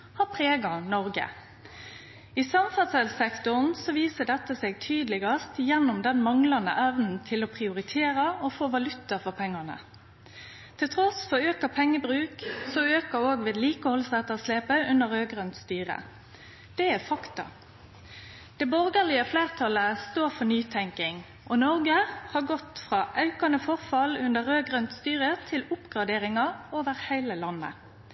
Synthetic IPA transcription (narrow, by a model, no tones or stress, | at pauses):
hɑːpʰʁeːɡɑnɔʁɡə̰ | iːsɑmfɑt̪sɛlsɛkt̪ʊnsɔʋiːsəd̪ɛt̪ːəseːɡ̚t̪ʰyːd̪lɪɡɑst̪jɛnːʊmd̪ɛnmɑŋlɑnə̰ʔæʋnn̩t̪ʰɪlɔpʰʁɪʊʁɪt̪ʰeːʁɑɔfoːʋɑlʉt̪əfɔʁpʰɛŋːɑnə̰ | t̪ʰɪlt̪ʰʁɔsfɔøːkəpʰɛŋːəbʁʉːksɔøːkəɾoːɡʋeːd̪liːkəhɔlsæt̪əʁsleːpəʉnəʁɾøːɡʁœnt̪st̪yːʁə̰ | d̪̥ɛæfɑkt̪ɑ̰ | d̪̥ɛbɔʁɡəʁlɪəfleːʁt̪ʰɑləst̪oːɾfɔnyːt̪ʰɛŋkɪŋ | ʔɔnɔʁɡəhɑɡɔt̪fʁɑːʔɑʉkɑnəfɔʁfɑlʉnd̪əʁøːɡʁœnt̪st̪yːʁət̪ʰɪlʊpɡʁɑd̪eːʁɪŋɑoːʋəʁhæɪləlɑnːə̰